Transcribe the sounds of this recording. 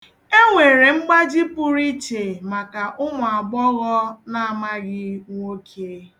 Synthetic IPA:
e˦ŋʷe˨ɾe˨ŋ͡m̩˦ɡ͡ba˦d͡ʒi˦pʊ˦ɾi˦t͡ʃe˨ma˨ka˨ʔʊ˦mʊ˨a˨ɡ͡bɔ˦ɣɔ˦na˦˨a˨ma˦ɣɪ˦ŋʷo˦kʰe˦

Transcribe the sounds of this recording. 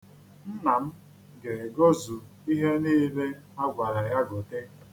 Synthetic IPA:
n̩˦na˨m̩˦ | ɡe˨ɡo˦zu˨ | i˦ɦe˦ni˦˨˦le˦ | a˦ɡʷa˨ɾa˨ja˦ɡo˨te˦

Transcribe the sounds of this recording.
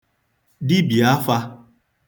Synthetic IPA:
dɪ˦bi˨a˦fa˧

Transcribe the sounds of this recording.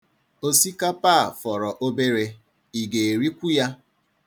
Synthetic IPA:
o˦si˦ka˦paː˦˨fɔ˨ɾɔ˨ʔo˦be˦ɾe˦ | i˨ɡe˨e˨ɾi˦kʷu˦ja˦

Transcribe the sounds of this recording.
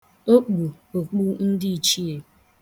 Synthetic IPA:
o˦k͡pu˨ | o˨k͡pu˦n̩˦dɪ˦i˨t͡ʃi˦e˨

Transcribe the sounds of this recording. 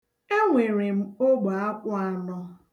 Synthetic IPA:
e˦ŋʷe˨ɾe˨m̩˦o˦ɡ͡ba˨a˦kʷʊ˦a˨nɔ˦

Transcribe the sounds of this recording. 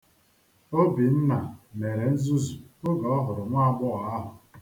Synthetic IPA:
o˦bi˨n̩˦na˨me˨ɾe˨n̩˦zu˦zu˨ʊ˦ɡɔ˨ɔ˦ɦʊ˨ɾʊ˨ŋʷa˦ɡ͡bʊ˦ɣa˦ɦʊ˨

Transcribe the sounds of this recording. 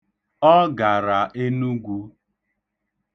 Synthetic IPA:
ɔ˦ɡa˨ɾa˨ʔe˦nu˦ɡʷu˦

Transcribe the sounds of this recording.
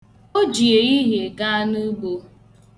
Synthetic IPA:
o˦d͡ʒi˨e˨ɣi˦ɦe˨ɡa˦a˦nu˦ɡ͡bo˦

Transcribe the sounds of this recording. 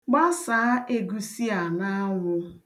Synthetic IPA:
ɡ͡ba˦saː˨˦ʔe˦ɡu˦si˦a˨na˦ŋʷʊ˦

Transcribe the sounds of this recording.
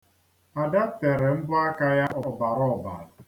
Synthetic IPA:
a˨da˦te˨ɾe˨m̩˦bʊ˦a˦ka˦ja˦ʔɔ˨˦ba˨ɾɔ˦˨ba̰˨ɾʊ˨

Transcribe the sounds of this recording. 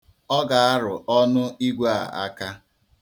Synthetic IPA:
ɔ˦ɡa˨a˦ɾʊ˨ʔɔ˦nʊ˦i˦ɡʷa˦˨a̰˦ka˦

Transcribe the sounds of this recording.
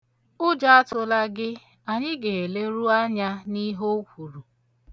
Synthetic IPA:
ʊ˦d͡ʒa˦a˦tʊ˨la˦ɡɪ˦ | a˨ɲɪ˦ɡe˨e˨le˦ɾu˦a˦ɲa˦ni˦ɦo˦kʷu˨ɾu˨

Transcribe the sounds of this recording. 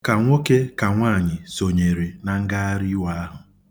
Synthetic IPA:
ka˨ŋʷo˦ke˦ka˨ŋʷaː˦˨ɲɪ˨so˨ɲe˨ɾe˨na˨ŋ̩˦ɡa˦a˦ɾi˦wa˦a˦ɦʊ˨

